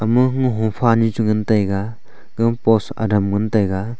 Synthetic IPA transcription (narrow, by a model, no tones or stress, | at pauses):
ɐmɯɦŋɦɔŋpʰanit͡ʃuŋɯntajɡa | ɡɯŋpɔsɐ̰dɐmɡɯntajɡa